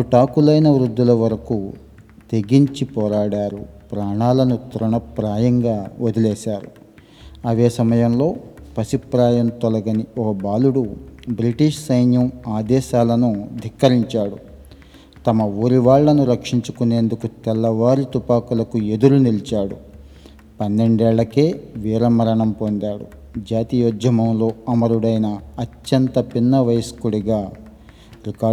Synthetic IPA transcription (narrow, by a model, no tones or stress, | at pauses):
puʈaːkulɐjnɐʋɾud̪ːulɐʋɐɾɐku | t̪e̞ɡiɲt͡ʃipɔːɾaːɽaːɾupɾaːɳaːlɐnut̪ɾuɳɐpɾaːjɐŋɡaːod̪ɐlɛːʃaːɾṵ | ɐʋeːsɐmɐjɐmlo̞ːpɐsipɾaːjɐmt̪ɔlɐɡɐniɔkɐbaːluɽubɾiʈiʂsɐjnjɐmaːd̪ɛːʃaːlɐnud̪ʱikːɐɾiɲt͡ʃaːɽu | t̪ɐmɐuːɾiʋaːɭːɐnuɾɐkʂiɲt͡ʃukune̞ːnd̪ukut̪ɛlːɐʋaːɾit̪upaːkulɐkue̞d̪uɾunilit͡ʃaːɽu | pɐnːe̞ɳɖɛːɭːɐke̞ːʋiːɾɐmɐɾɐɳɐmpond̪aːɽṵ | d͡ʒaːt̪ijoːd͡ʒɐmɐmlo̞ːɐmɐɾuɽɐjnɐɐtjɐnt̪ɐpinːɐʋɐjskuɽiɡaː | ɾikaː